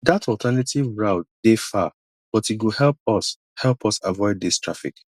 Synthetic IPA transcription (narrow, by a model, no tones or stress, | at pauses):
datɔltʰɛnativɹaʊd̥efa | b̥ɔtiɡuhɛlp̚ɔs | hɛlˠpʰɔsavɔɪd̚ðistʰɹafḭk